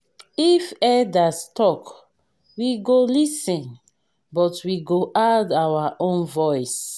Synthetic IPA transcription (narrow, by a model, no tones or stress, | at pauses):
ifɛdastɔk | wiɡolisɛ̃n | bɔtwiɡoʔadawaʔõnvɔjs